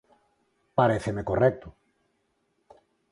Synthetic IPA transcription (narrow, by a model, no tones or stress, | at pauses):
paɾeθemekorɛk̚t̪ʊ